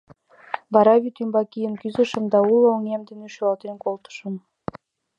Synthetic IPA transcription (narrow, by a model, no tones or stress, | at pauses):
bɑɾɑβʲit̪ymbɑkʲijənkyzɘ̆ʃə̆md̪ɑulˠoŋemd̪ĕneʃyɑlt̪enkolˠt̪ə̥ʃə̆m